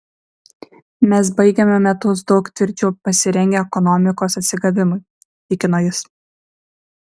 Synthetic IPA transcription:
mʲɛs̬bɐɪɡʲemʲɛmʲɛt̪ʊs̬d̪ɒʊkt̪ʲʋʲɪɾʲt͡ʃʲuːpɐsʲɪɾʲɛŋʲɡʲɛɛkɔnɔmʲɪkoːsɐt̪ʲsʲɪɡɐʋʲɪmʊɪ | ɪkʲɪnoːjɪs

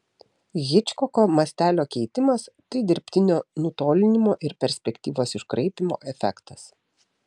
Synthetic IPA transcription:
ɣʲɪt͡ʃʲkɔkoːmɐsʲt̪ʲæːlʲoːkʲɛɪt̪ʲɪmɐst̪ɐɪd̪ʲɪɾʲpʲt̪ʲɪnʲoːnʊt̪oːlʲɪnʲɪmoːʔɪɾpʲɛɾʲsʲpʲɛkʲt̪ʲiːʋoːsɪʃkɾʔɐɪpʲɪmo̰ːʔɛfʲɛ̰kt̪ɐs

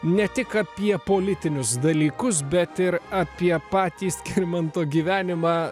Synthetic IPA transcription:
nʲɛt̪ʲɪkɐpʲiɛpoːlʲɪt̪ʲɪnʲʊsd̪ɐlʲiːkʊs̬bʲɛt̪ɪɾɑːpʲiɛpɑːt̪ʲiːsʲkʲɪɾʲmɐnt̪oːɡʲiːʋʲæːnʲɪmɑː

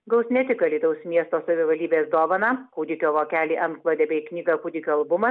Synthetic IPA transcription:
ɡɐʊsʲnʲɛt̪ʲɪkɐlʲiːd̪ɐʊsmʲiɛst̪oːsɐʋʲɪʋɐlʲd̪ʲiːbʲeːsd̪oːʋɐnɑkʊːd̪ʲɪkʲoːʋoːkʲæːlʲiːʔɐnt̪klˠoːd̪ʲeːbʲɛɪknʲiːɡɑkʊd̪ʲɪkʲoːɐlˠbʊmɐ

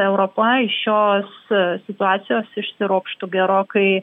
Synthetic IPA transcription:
ɛʊɾoːpɐɪʃjoːssʲɪt̪ʊɑːt̪sʲɪjoːsɪʃsʲɪɾoːkʃt̪ʊɡʲɛɾoːkɐɪ

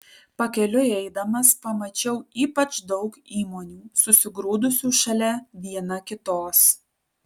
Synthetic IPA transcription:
pɐkʲɛlʲʊɛɪd̪ɐmɐspɐmɐt͡ʃʲɛʊiːpɐt͡ʃd̪ɒʊkiːmoːnʲuːsʊsʲɪɡɾuːd̪ʊsʲuːʃɐlʲɛʋʲiɛnɐkʲɪt̪oːs

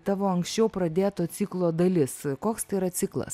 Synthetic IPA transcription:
t̪ɑːʋoːɐŋksʲt͡ʃʲɛʊpɾɐd̪ʲeːt̪oːsʲiːklˠoːd̪ɐlʲɪskoːkst̪ɐɪɾɐsʲɪklˠɐ̰s

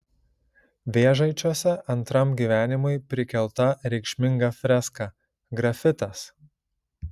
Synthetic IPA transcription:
ʋʲeːʒɐɪt͡ʃʲoɔsʲɛɐnt̪ɾɐmɡʲiːʋʲæːnʲɪmʊɪpʲɾʲɪkʲɛlˠt̪ɐɾʲɛɪkʃʲmʲɪŋɡɐfʲɾʲɛskɑ | ɡɾɐfʲɪt̪ɐs

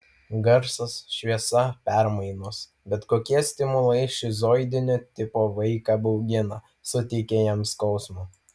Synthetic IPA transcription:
ɡɐɾsɐsʃʲʋʲiɛsɐpʲɛɾmɐɪnoːs | bʲɛt̪koːkʲiɛsʲt̪ʲɪmʊlˠɐɪʃʲɪzoːɪd̪ʲɪnʲoːt̪ʲɪpoːʋɐɪkɑbɒʊɡʲɪnɐ | sʊt̪ʲɛɪkʲeːjɛmskɒʊsmu

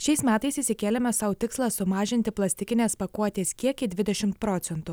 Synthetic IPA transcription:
ʃʲɛɪsmʲæːt̪ɐɪsɪsʲɪkʲeːlʲɛmʲɛsɐʊt̪ʲɪkslˠɑsʊmɑːʒʲɪnʲt̪ʲɪplˠɐsʲt̪ʲɪkʲɪnʲeːspɐkuɔt̪ʲeːskʲiɛkid̪ʲʋʲɪd̪ʲɛʃʲɪmt̪̚pɾoːt̪sʲɛnt̪ʊ

